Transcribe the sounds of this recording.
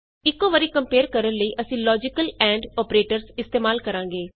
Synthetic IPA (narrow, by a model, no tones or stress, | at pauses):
ɪkːoːʋəɾiːkəmpeːɾkəɾənləiːʔəsĩːlɔːd͡ʒɪkəlɛ̃ːɳɖɔːpɾeːʈəɾsɪst̪eːmaːlkəɾãːŋɡeː